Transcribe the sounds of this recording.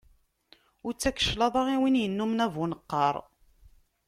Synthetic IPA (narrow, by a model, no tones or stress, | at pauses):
ʊɾt͡sːækːə̥ʃlɑðˤɑʁiwinjənːumnævunəqːɑɾˤ